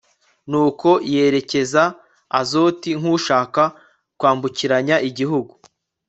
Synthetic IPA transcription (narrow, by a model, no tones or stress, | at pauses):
nuːko̞je̞ɾe̞ce̞za | a̰zo̞ːtiŋ̥uːʃaːka | kwaːmbuciɾaɲaʔiɟiɦuɡu